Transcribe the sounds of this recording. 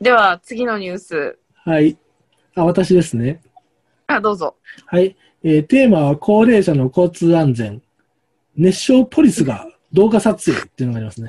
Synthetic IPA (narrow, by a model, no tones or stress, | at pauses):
d̪e̞βat͡sɨɡʲino̞ɲ̟ʲɨːsɨ | hai | aβ̞at̪aɕid̪e̞sɨne̞ | ad̪o̞ːzo̞hai | eːt̪e̞ːmaβakʰo̞ːɾe̞ːɕano̞ko̞ːt͡sɨːãnd͡zẽ̞ɴ | ne̞ɕːo̞ːpʰo̞ɾʲisɨɡa̰ | d̪o̞ːɡasat͡sɨe̞̰ːt̪ːeiɯ̟noɡaɾʲimasɨne̞